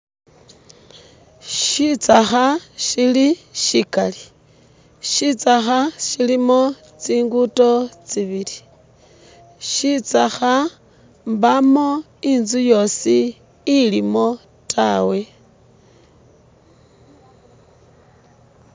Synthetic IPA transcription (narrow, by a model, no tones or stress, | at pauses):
ʃit͡saxaʃiliʃikali | ʃit͡saxaʃilimo̞ | t͡siːŋɡuto̞t͡siβili | ʃit͡saxa | mbamo̞ | inzujo̞siː | limo̞ | tʰawe̞